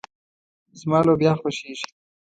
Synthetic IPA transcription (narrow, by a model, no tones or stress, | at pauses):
zmɑːlobjɑxoʃiʃ